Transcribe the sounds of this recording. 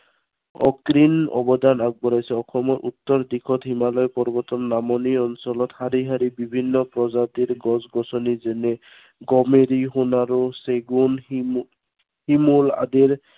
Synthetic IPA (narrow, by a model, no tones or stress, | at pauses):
ɔ̰kɾinɔ̰bɔd̪anaɡ̚bɔɾajsɛɔkʰɔmɔɾʔut̪ːɔɾd̪ikʰɔt̪ɦimalɔjpɔɾbɔt̪ɔnːamɔniɔnsɔlɔt̪haɾiɦaɾibibʱinːɔpɾɔzat̪iɾɡɔzɡɔsɔnizɛne | ɡɔmeɾiɦunaɾuseɡun | himula̰d̪iɾ